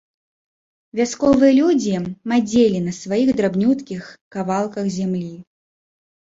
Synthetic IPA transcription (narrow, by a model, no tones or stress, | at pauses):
vʲaskɔvɨjɛɐlʲud͡zʲimad͡zʲelʲinɐsvajiɣd̪ɾabnʲut̪kʲixkavalˠkɐxzʲamlʲi